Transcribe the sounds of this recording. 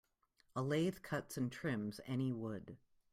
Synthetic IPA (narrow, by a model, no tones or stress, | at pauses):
əleɪð̥kʰʌtsɨ̃ntʰɹ̥ɪ̃mzɛniwʊd̥